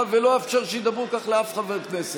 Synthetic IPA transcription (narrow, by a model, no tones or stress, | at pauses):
veloefʃaʁʃejid̪abʁukaχleafχaveʁknese